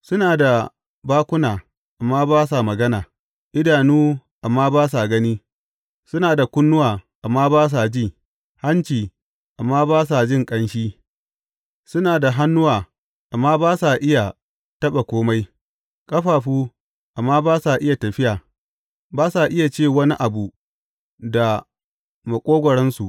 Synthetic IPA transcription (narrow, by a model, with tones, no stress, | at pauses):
sʊ˦naː˨da˨ | baː˦kʷʊ˦naː˨ | ʔa˨mːaː˦baː˦s̬a˨mɐ˨ɡɐ˦naː˨ | ʔɪ˦daː˨nuː˦ʔa˨mːaː˦baː˦s̬a˨ɡɐ˦niː˦ | sʊ˦naː˨da˨kʷʊ˦nːʊ˦waː˨ʔa˨mːaː˦baː˦s̬a˨d͡ʒiː˦˨ | ha˦nt͡ʃiː˨ | ʔa˨mːaː˦baː˦s̬a˨d͡ʒɪ˦˨ŋkʼɐ˦nʃiː˦ | sʊ˦naː˨da˨ɦa˦nːʊ˦waː˨ | ʔa˨mːaː˦baː˦sa˨ʔɪ˦ja˨ | tɐ˦ɓa˨kʷoː˦ma˦j | kʼɐ˦ɸaː˨ɸuː˦ | ʔa˨mːaː˦baː˦sa˨ʔɪ˦ja˨tɐ˨ɸɪ˦jaː˨ | baː˦sa˨ʔɪ˦ja˨t͡ʃeː˦˨wɐ˦ni˦ʔa˨bu˨ | da˨ | ma˨kʷʼoː˦ɡʷɔ˨ɽɛ˦nsu˨ʔ